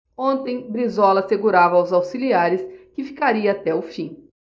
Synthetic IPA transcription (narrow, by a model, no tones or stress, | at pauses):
õnt̪ẽj̃bɾizɔlɐseɡuɾavɐawzawsiliaɾɪskɪfi̥kaɾiɐːt̪ɛʊfĩ